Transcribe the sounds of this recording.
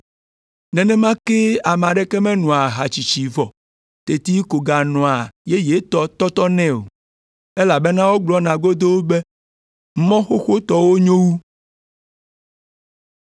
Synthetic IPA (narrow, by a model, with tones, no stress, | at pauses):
nɛ̃˨nɛ̃˦mã˦ke˦a˨mɛ̃˨a˨ɖe˦kɛ˦mɛ̃˦nɔ̃˨a˨ɦa˨t͡ɕi˨t͡ɕi˨vɔ˨ | t̪e˨t̪i˦ko˨ɡa˨nɔ̃˨a˨je˦je˨˦t̪ɔ˦t̪ɔ˦t̪ɔ˦nɛ̃˦o̰˨ | e˦la˨be˦nã˦wo˦ɡ͡blɔ˦nã˨ɡo˦d̪o˦wo˦be˦ | mɔ̃˦xo˦xo˦t̪ɔ˨wo˦ɲõ˦wu˦